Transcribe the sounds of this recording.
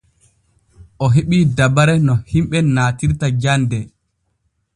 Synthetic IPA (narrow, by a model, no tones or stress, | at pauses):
ʔɔɦeɓidabaɾɛnɔhimɓɛnaːtiɾtad͡ʒandɛ